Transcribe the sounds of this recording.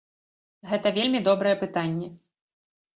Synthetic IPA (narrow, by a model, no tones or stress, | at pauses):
ɣɛt̪ɐvʲelʲmʲid̪ɔbɾɐjɛpɨt̪anʲːɛ